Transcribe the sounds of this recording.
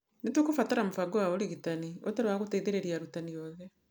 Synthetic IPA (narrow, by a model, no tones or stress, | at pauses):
netukofataɾamofaɡowaoɾeɣitanio̰taɾewaɣoteiðeɾeɾiaɾutaniɔːðɛ